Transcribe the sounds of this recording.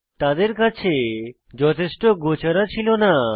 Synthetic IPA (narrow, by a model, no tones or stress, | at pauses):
t̪ad̪eɾkat͡ɕʰe | d͡ʑɔt̪ʰeʃʈoɡot͡ɕaɾat͡ɕʰilona